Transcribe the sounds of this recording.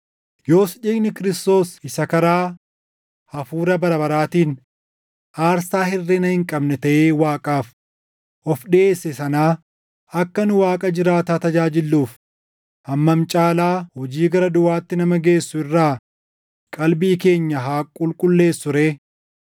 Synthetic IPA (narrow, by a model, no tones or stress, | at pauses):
jo̞ːsᶑiːɡnɪkɪɾɪst̪o̞ːsɪsɐkɐɾaː | ɐfuːɾɐbɐɾɐbɐɾaːt̪iːn | ʔaːɾsaːhɪrːɛnɐhɪŋkʼɐbnɛt̪ɐʔeːwaːkʼaːf | ʔɔfɗɪʔeːsːɛsɐnaː | ɐkːɐnʊwaːkʼɐd͡ʒɪɾaːt̪aːt̪ɐd͡ʒaːd͡ʒɪlːuːf | ʔɐmːɐmt͡ʃʼaːlaːhɔd͡ʒiːɡɐɾɐd̪ʊʔaːt̪ːɪnɐmɐɡe̞ːsːʊɪrːaː | kʼɐlbiːke̞ːɲːɐɦaːkʼʊlkʼʊlːe̞ːsːʊɾeː